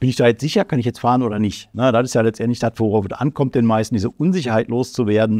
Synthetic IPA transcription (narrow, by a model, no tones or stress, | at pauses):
b̥ɪnɪçd̥aːjɛt͡stz̥ɪçɐkʰanɪç̬jɛt͡stfaːʁənoːdɐnɪçtnədatɪsjaːlɛt͡stʔɛntlɪçd̥atvoʁaʊfɛsʔa̰nkʰɔmt̚d̥eːnmaɪstn̩diːzəʔʊnzɪçɐhaɪtloːst͡suveːɐdn̩